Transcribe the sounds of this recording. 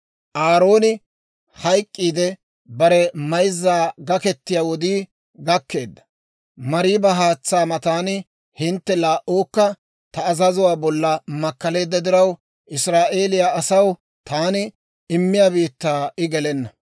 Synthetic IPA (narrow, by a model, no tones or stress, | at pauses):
ʔaːɾo̞ːnɪ | hɐjkʼːiːd̪ɛ | bɐɾɛmɐjzːaːɡɐkɛt̪ːɪjaːwɔd̪iː | ɡɐkːe̞ːd̪ːɐ̥ | mɐɾiːbɐɦaːt͡sːaːmɐt̪aːnɪ | hɪnt̪ːɛlaːʔoːkːɐ | t̪ɐːzɐzʊwaːbɔlːɐmɐkːɐle̞ːd̪ːɐd̪ɪɾɐw | ʔɪsɾaːʔe̞ːlɪjaːɐsɐw | t̪aːnɪ | ɪmːɪjaːbiːt̪ːaːɪɡɛlɛnːɐ